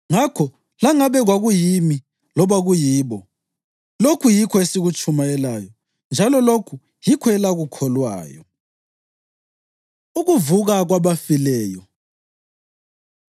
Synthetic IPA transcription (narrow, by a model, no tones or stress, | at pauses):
ŋakʰɔ | laŋaβɛɣwaɣujimi | lɔβaɣujiːβɔ | lokʰujikʰɔesiɣut͡ʃʰʼumajɛlajɔ | nd͡ʒʱalɔlokʰu | jikʰɔɛlaɣukʰɔlwa̰ːjɔ̰ | uɣuvuɣaɣwaβafilɛːjɔ